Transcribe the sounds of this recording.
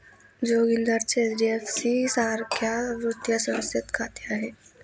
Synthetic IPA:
d͡ʒoːɡɪ̃nd̪əɾt͡ʃezɖiefsisaːɾkjaʋɾʊt̪jasəməsjət̪kʰaːt̪jaɦɛː

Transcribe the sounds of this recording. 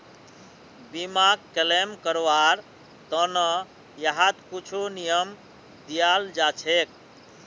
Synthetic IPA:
bimaɡkelemkəɾʋaɾ | t̪ənə | jəɦat̪kut͡ʃʰunijəm | d̪ijald͡ʒat͡ʃʰek

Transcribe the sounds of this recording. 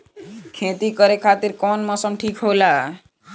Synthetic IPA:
kʰẽt̪ikəɾekʰat̪iɾkɔnmɔsəmʈʰiːkɦoːla

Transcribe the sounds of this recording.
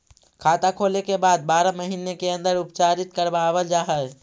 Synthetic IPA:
kʰaːt̪akʰoːlekebaːd̪̚baːɾaməɦiːnekeə̃nd̪əɾʊpt͡ʃaːɾɪt̪kəɾbaːbəld͡ʒaːɦə

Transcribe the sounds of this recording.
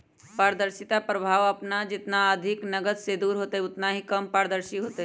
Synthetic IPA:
paːɾd̪əɾsɪt̪apɾəbʱaːʋɐpnad͡ʒɪt̪naəd̪ʱɪknɐɡəd̪sed̪uːɾɦoːt̪aɛʊt̪naɦikɐmpaːɾəd̪əɾsiɦoːt̪e

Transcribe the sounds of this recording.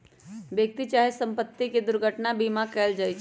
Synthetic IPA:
bjək̚t̪it͡ʃaːɦesə̃mpət̪ːiked̪ʊɾɡʱəʈnabimakɛːld͡ʒaːt͡ʃʰ

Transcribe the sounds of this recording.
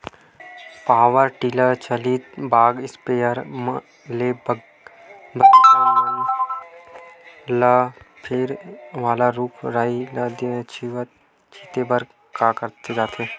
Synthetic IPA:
paːʋəɾʈiːlət͡ʃəliːt̪baːɡɪspeːəɾm | lebəɡ | bətː | la | pʰɪɾʋaːlaɾuːpʰɾaːiləd̪ə̃t͡ʃʰiʋət̪ | t͡ʃʰit̪ebəɾ | kaːkəɾt̪ed͡ʒaːt̪ʰeː

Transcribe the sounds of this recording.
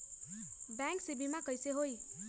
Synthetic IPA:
baŋksibimakʌjseɦoj

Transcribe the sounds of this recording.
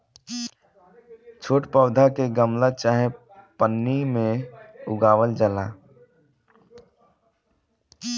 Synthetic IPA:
t͡ʃʰoːʈpəːd̪ʱakeɡəmlat͡ʃaːɦe | pənːimẽʊɡaːʋəld͡ʒəlaː

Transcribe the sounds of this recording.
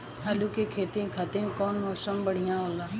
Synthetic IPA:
ɦaːlukekʰeːt̪ikʰat̪inkoːnmoːsəmbəɽ̤ijãːɦoːlaː

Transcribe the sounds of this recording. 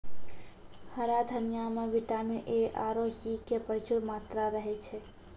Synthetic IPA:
həɾad̪ʱənijameʋiʈamineʔaɾosikepəɾt͡ʃʰuɾmat̪ɾaɾəɦɛt͡ʃʰɛ

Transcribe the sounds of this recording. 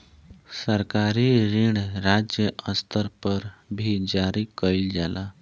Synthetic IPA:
səɾkaɾiːɾiɳɾad͡ʑjəəst̪ʰəɾpəɾbʱiːd͡ʑaɾiːkəjld͡zalʔa

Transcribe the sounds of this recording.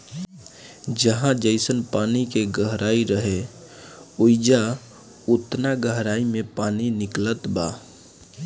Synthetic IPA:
d͡ʒəɦãd͡ʒəɪsənpaːnikeɡəɦɾʔaːiɾəɦe | uɪd͡ʒa | ʊt̪naɡəɦɾaːimẽpaːninɪklət̪ba̰

